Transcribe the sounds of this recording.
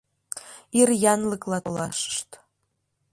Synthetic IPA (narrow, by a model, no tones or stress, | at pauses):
irjɑnlɤklˠɑolɑ̰ʃə̥ʃt̪